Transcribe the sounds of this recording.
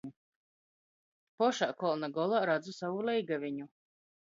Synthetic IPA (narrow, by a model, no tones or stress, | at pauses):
u | pɔʃaːkɔlˠnaɡɔlˠaɾad̪zusavulʲˠɛjɡavʲiɲu